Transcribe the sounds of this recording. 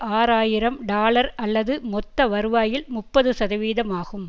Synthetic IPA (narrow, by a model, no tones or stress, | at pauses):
aːɾaːjɪɾɐmɖaːlɐɾɐlːɐðɯmɔt̪ːɐʋɐɾɯʋaːjɪlmʊpːɐðɯsɐðɐʋiːðɐmaːɣɯm